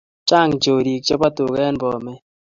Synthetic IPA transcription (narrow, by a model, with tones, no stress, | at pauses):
t͡ʃa˦ŋt͡ʃo˨ɾi˨k̚t͡ʃɛ˦pa˦tʊ˨kɛ˦nbɔ˨mɛ˦